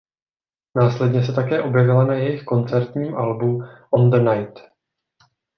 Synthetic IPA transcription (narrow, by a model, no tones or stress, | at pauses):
naːslɛdɲɛsɛt̪akɛːʔo̞bjɛvɪlanajɛjɪxko̞nt͡sɛɾt̪ɲiːmʔalbuʔond̪najt̪